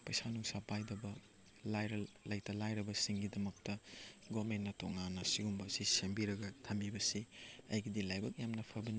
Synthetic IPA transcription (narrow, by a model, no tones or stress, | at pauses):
pɐjsanuŋsapajdɐbɐ | lajɾɐlːɐjtɐlajɾɐbɐsiŋɡidɐmɐk̚tɐɡomentːɐtoŋanːɐsiɡumbɐsisembiɾɐɡɐtʰambibɐsiɐ̰jɡidilajbɐk̚jamnɐpʰɐbɐni